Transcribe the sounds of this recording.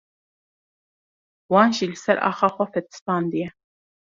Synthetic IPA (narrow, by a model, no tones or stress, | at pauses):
wɑːnʒiːlɨsɛɾɑ̰ːxɑːxʷɛfɛt̪ɨ̥spɑːnd̪ijɛ